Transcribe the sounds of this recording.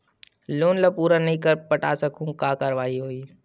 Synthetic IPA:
loːnləpuːɾanɐɦĩkəɾpəʈaːsəkʰũkaːkəɾʋaːiɦoːiː

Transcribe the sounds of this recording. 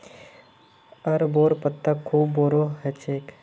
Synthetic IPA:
ɐɾboːɾpət̪ːakʰːuːbːoːɾoɦɛt͡ʃeːk

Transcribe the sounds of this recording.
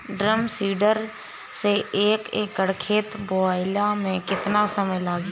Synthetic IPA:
ɖɾəmsiːɖəɾ | seeːkeːkːəɽkʰeːt̪boaːɪlamẽkɪt̪nasəməjlaːzi

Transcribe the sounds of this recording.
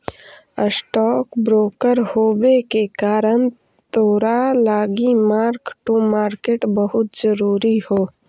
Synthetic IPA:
əsʈɔːkbɾoːkəɾhoːwekekaːɾən | t̪oːɾalaːɡimaːɾkʈumaːɾkeʈbəɦʊt̪zəɾuːɾihoː

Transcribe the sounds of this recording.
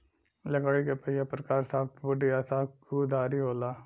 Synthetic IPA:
lɐɡaːɽikepəijapɾkaːɾsaːb̚bʊɖiaːsaːkud̪aːɾiɦoːlaː

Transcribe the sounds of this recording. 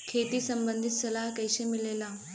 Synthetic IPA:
kʰet̪iːsəmbənd̪ʱit̪səlaɦkəjɕemilela

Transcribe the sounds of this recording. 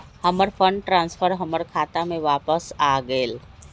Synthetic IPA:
həməɾpʰəɳɖʈɾãːnspʰəɾɦəməɾkʰaːt̪amẽʋaːpəsaːɡəel

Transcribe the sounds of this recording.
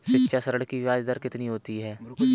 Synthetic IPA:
ʃɪtːʃʰasəɾəɽkiʋɪʋaːd͡ʒd̪əɾkɪt̪niɦoːt̪iɦɛː

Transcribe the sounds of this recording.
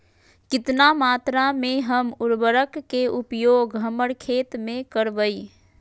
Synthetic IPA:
kɪt̪namaːt̪ɾamẽɦəmʊɾbəɾəkːeʊpjoːɡɦəməɽkʰeːt̪mẽkəɾbəi

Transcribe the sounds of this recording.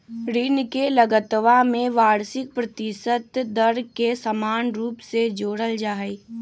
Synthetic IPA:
ɾinkeləɡət̪ʋamẽʋaːɾsɪk̚pɾɐt̪ɪʃət̪d̪əɾkesəmaːnɾuːpsed͡ʒoːɽəld͡ʒaːe

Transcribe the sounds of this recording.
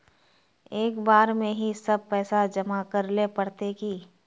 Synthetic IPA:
eːkbaːɾmẽɦisɐb̚pɛːsad͡ʒɐmakɐɾlepɐɽt̪ekiː

